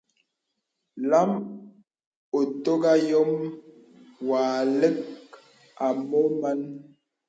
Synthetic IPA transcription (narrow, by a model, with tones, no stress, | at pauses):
la˦m | o˨to˦ɡa˦jɔ˦m | waː˨le˦k̚ | a˨mo˦ma˦n